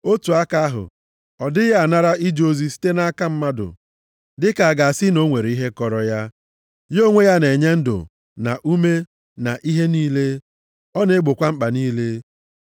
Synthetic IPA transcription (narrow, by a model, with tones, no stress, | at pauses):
o˦tu˨a˦ka˦a˦ɦʊ̰˨ | ɔ˨dɪ˦ja˨na˦ɾa˦i˦d͡ʒo˦zi˦si̥˦te˦na˦ka˦m̩˦ma˦dʊ̰˨ | dɪ˦ka˨a˨ɡa˨a˨sɪ˦no˦ŋʷe˨ɾi˦ɦe˦kɔ˨ɾɔ˨ja˦ | jo˦ŋʷe˦ja˦ne˨ɲe˦n̩˦dʊ̰˨ | na̰˨ʔu˦me˦ | na˨ʔi˦ɦe˦niː˦le˦ | ɔ˦ne˦ɡ͡bʊ˨kʷa˦ŋ͡m̩˦k͡pa˨niː˦le˦